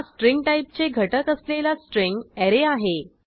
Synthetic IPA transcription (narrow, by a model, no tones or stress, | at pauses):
sʈɾiŋɡ̚ʈaip̚t͡seɡʱəʈəkəslelasʈɾiŋɡɛɾeaɦe